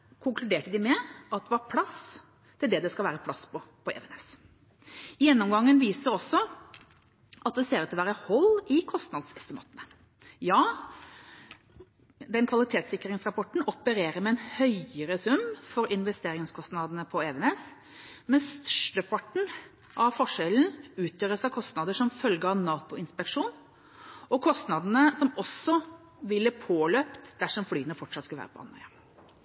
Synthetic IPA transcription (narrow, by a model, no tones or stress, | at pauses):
kʰʊŋkʰlʉd̪eːʈəd̪ɪmɛɑt̪̚d̪ɛʋɑɾpʰlɑs | t̪ʰːɪld̪ɛd̪ɛskɑlʋæːɾəpʰlɑspɔpʰɔɛ̰ːʋɛnɛs | jɛnːɔmɡɑŋːənʋiːsəɾɔsːɔ | ʔɑt̪ʋɛseːɾət̪ɪlʋæːɾəhɔlɪkʰɔst̪nɑd̪sɛst̪ɪmɑ̰ːt̪ənə | jɑː | d̪ɛnkʰʋɑlɪt̪ʰeːt̪sɪkːɾɪŋsɾɑpʰɔʈɳ̩ɔpəɾeːɾəɾmɛɛnhœʏəɾəsʉmːfɔɾɪnʋɛst̪eːɾɪŋskʰɔst̪nɑd̪nəpʰɔɛʋɛnɛs | mɛnst̪œ̥ʂʈəpʰɑʈɳ̩ | ʔɑʋfɔʂɛln̩ʉːt̪ʰøːɾəsɑkʰɔst̪nɑd̪əʂɔmfœlɡəɑʋnɑːt̪ʊɪnspɛkʂuːn | ɔkʰɔst̪nɑd̪ənəsɔmɔsɔ | ʋɪlːəpʰoːløːpt̪d̪æʂɔmflyːənəfɔʈʂɑt̪skɑlʋæ̰ːɾəpɔɑ̰nhœ̰ʏə